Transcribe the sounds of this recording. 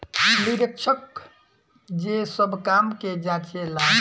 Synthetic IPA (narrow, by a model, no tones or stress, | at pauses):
niɾəkʃʰək | d͡ʒesəbkamked͡ʒãːt͡ʃela